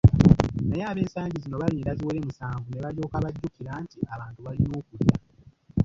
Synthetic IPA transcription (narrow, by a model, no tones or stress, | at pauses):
najaːβe̞ːnsaːɲɟizino̞βaliɾaziwele̞musaːŋɡune̞βaljo̞ːkaβaɟːukiɾaːntiaβaːntuβalino̞ːkuɾja